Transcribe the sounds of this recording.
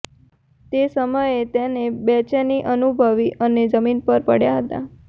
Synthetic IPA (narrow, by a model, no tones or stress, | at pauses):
t̪esəməjet̪enebɛt͡ʃeniʔənubʱəʋiʔəned͡ʒəminpəɾpəɽjaɦət̪a̰